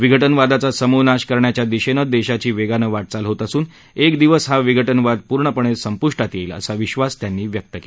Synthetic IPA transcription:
ʋiɡʱəʈənʋad̪at͡sasəmunaɕkəɾɳjat͡ɕjad̪iɕenəd̪eɕat͡ɕiːʋeɡanəʋaʈ̚t͡salɦot̪əsuːn | ekd̪iʋəsɦaʋiɡʱəʈənʋad̪̚puɾɳəpəɳ̃esəmpuʂʈat̪jeilə̰saʋiɕʋast̪janːiːʋjək̚t̪əkel

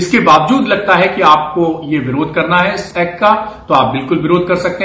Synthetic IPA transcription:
ɪskebaːʋd͡ʒuːd̪lɐɡ̚t̪aɦɛkiaːp̚kojeʋɪɾoːd̪̚ʱkɐɾnaɦɛɪsɛːkːat̪oaːp̚bɪlkʊlʋɪɾoːd̪̚ʱkɐɾsɐk̚t̪e

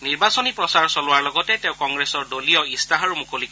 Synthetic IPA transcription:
niɹbasɔnipɹɔsaɹsɔlwaɹlɔɡɔteteʊ̃kɔŋɡɾesɔɹdolijɔistaɦaɹumukolikɔ

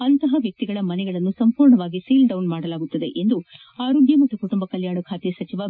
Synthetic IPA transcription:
ɐnt̪ɐɦɐʋjɐk̚t̪iɡɐɭɐmɐnɛɡɐɭɐnːusɐmpuːɾɳɐʋaːɡisiːlɖɐwnmaːɽɐlaːɡut̪ːɐd̪e̞̰ʔend̪u | aːɾoːɡjɐmɐt̪ːukuʈumbɐkɐljaːɳɐkʰaːt̪esɐt͡ʃiʋɐ

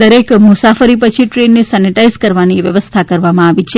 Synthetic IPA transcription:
əɾekmusafəɾipət͡ʃʰiʈɾenːisɛniʈaizkəɾʋaniʋjəʋəst̪ʰakəɾʋamãaʋit͡ʃʰe

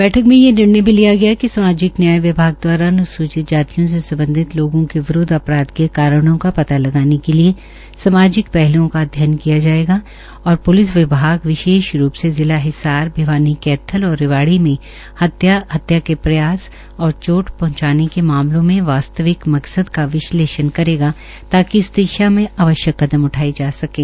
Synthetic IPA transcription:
bɛːʈʰəkmẽjenɪɽnebʱilijaɡɐjakisɐmaːd͡ʒɪknjaːjiʋɪbʱaːɡ̚d̪waːɾanʊsuːt͡ʃɪt̪̚d͡ʒaːt̪ijõs̬esɐ̃mbə̃nd̪ʱɪt̪loːɡõkeʋɪɾoːd̪ʱɐpɾaːd̪kekaːɾəɽ̃õkapɐt̪alɐɡaːnekelie | sɐmaːd͡ʒɪkpɛɦlõkad̪ʱjaːnkijad͡ʒaːeːɡa | ɔːɾpʊlɪs̬ʋɪbʱaːɡʋɪʃeːʃɾuːpsezɪlaɦɪsaːɾbʱɪʋaːnikɛːt̪ʰːəlɔːɾːɪʋaːɽimẽ | hɐt̪jahɐt̪jakepɾɐjaːs | ɔːɾt͡ʃoːʈpɐɦʊ̃t͡ʃaːnekemaːmlõmẽʋaːst̪əʋɪkmɐksəd̪kaʋɪʃleːʃənkɐɾeːɡa | t̪aːkiɪst̪eːʃamẽaʋəʃjəkːɐd̪əmʊʈʰaːid͡ʒaːsɐkẽː

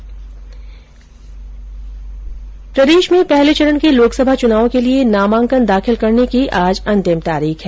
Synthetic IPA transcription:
pɾɐd̪eːʃmẽpɛɦlet͡ʃɐɾənkeloːksəbʱat͡ʃʊnaːʋõkelienaːmãːŋkənd̪aːxɪlkɐɾnekiʔaːd͡ʒɐ̃nt̪ɪmt̪aːɾiːxɦɛː

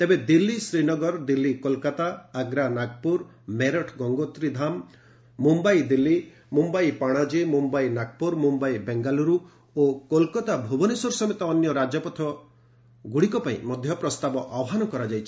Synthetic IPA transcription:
t̪ebed̪ilːisɾinɔɡɔɾd̪ilːikɔlkat̪aːɡɾanaɡ̚puɾ | meɾɔʈʰɡɔŋɡot̪ɾid̪ʱamː | umbaijd̪ilːi | mumbajpaɽ̃ad͡ʒemumbajnaɡ̚puɾmumbajbeŋɡaluɾu | okolkɔt̪abʱubɔnisɔɾsɔmet̪ɔːnjɔɾad͡ʒɔpɔt̪ʰɔ | ɡuɽikɔpaḭ̃mɔd̪ʱjɔpɾɔst̪abɔʔawɔɦanɔkɔɾad͡ʒajt͡ʃʰi̥

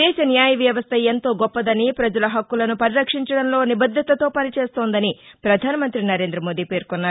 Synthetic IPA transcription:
ɛːʃɐnjaːjɐʋjɐʋɐst̪ʰɐjent̪o̞ːɡɔpːɐd̪ɐnipɾɐd͡ʒɐlɐɦɐkːulɐnupɐɾiɾɐkʂiɲt͡ʃɐɽɐnlo̞ːnibɐd̪ʱːɐt̪ɐt̪o̞ːpɐnit͡ʃe̞ːst̪oːnd̪ɐnipɾɐd̪ʱaːnɐmɐnt̪ɾinɐɾe̞ːnd̪ɾɐmoːd̪iːpe̞ːɾkɔnːaː

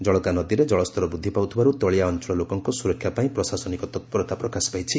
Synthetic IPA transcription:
d͡ʒɔɭɔk̪anɔd̪iɾed͡ʒɔɭɔst̪ʰɔɾɔbɾud̪ʱːipawt̪ʰibaɾut̪ɔɭijaɔnt͡ʃɔlɔlokɔŋkɔsuɾɔkʰːjapaĩpɾɔsasɔnikɔt̪ɔt̪̚pɔɾɔt̪apɾɔkasi̥pajt͡ʃʰi

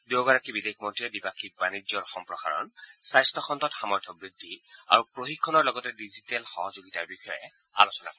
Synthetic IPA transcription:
duɡɔɹakibidexʰmɔntɹiɛdibakʰik̚banizɔɹxɔmpɹɔxa̰ɹɔ̰nsajstɔxʰɔntɔtxamɔɹtʰɔbɹid̪ʱːia̰ɹupɹoxikʰːɔnɔɹlɔɡɔtɛdizitɛlxɔɦɔzoɡitaɹbixɔjɛ̰ | a̰losɔna̰kɔɛ

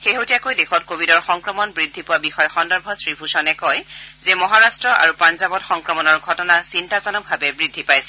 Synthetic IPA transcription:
xeɦotijakojdexʰɔt̚kobʱidɔɹxɔŋkɹɔmɔnbɹidʱːipʊwabixɔjɔxɔndɔɹbʱɔsɹibʰʱusɔnɛkɔjzɛmɔɦaɹastɹɔʔa̰ɹupanzabɔtxɔŋkɹɔmɔnɔɹɡʱɔtɔnaɹsintazɔnɔk̚bʱabɛbɹidʱːipajsɛ̥

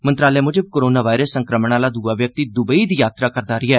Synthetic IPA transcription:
mə̃nt̪ɾaːleːmʊd͡ʒəb̚koːɾoːnaːʋaːɪɾəsːəŋkɾəməɳaːlaːd̪uːaːʋjək̚t̪iːd̪ʊbəiːd̪iːjaːt̪ɾaːkəɾd̪aːɾɪːɛː

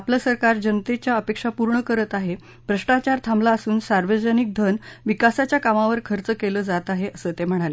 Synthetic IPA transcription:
apləsəɾkaɾd͡ʑənət̪et͡ɕjaəpekʂapuɾɳəkəɾət̪aɦe | bɾəʂʈat͡ɕaɾt̪ʰamlaəsuːnsaɾʋəd͡ʑənik̚d̪ʱənʋikasat͡ɕjakamaʋəɾkʰəɾt͡səkeləːd͡zat̪aɦeʔəsəːt̪em̤əɽ̃ale

